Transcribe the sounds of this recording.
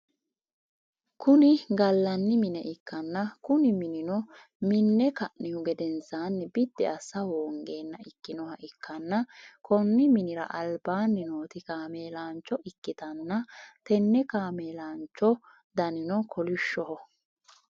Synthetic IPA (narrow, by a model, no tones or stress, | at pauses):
kʊnɪɡɐlːɐnːɪmɪnɛʔɪkːɐnːɐkʊnɪmɪnɪnɔ | mɪnːɛkɐʔnɪhʊɡɛd̪ɛnsaːnːɪbɪd̪ːɛɐsɐwoːŋɡe̞ːnːɐɪkːɪnɔɦɐʔɪkːɐnːɐkɔnːɪmɪnɪɾɐ̰ʔɐlbaːnːɪnoːt̪ɪkaːme̞ːlaːnt͡ʃːɔʔɪkːɪt̪ɐnːɐt̪ɛnːɛkaːmeːlaːnt͡ʃːɔ | d̪ɐnɪnɔkʰɔlʊʃːɔɦɔ